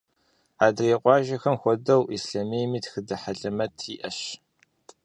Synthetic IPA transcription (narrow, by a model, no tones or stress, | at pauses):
aːdeːqʷɑːʒɐxɐmxʷɔdɐwʔisɬamejmiːtxɨdɐħaɮɐmɐtʰiːʔɐʃ